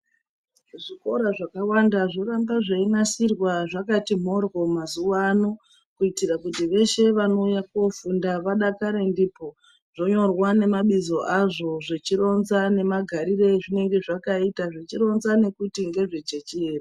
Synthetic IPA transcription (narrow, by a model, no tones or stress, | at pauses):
ʐiko̞ɾaʐakawandaʐo̞rambaʐeinasirwaʐakatim̤o̞rɣo̞mazuwano | kuitirakutiʋe̞ʃe̞ʋano̞ujakuofundaʋaɗakaɾendipo̞ | ʐ̥o̞ɲo̞rwane̞maɓizo̞ʔaʐo̞ʐet͡ʃiɾo̞nzane̞maɡʱaɾire̞ʐine̞ŋɡe̞ʐakaitaʐet͡ʃiɾo̞nzane̞kutiŋɡe̞ʐet͡ʃe̞t͡ʃeːra